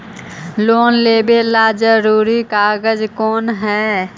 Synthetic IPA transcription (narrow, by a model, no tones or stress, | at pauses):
loːnleːbelad͡ʒəɾuːɾikaɡəd͡ʒkɔːnɦɛː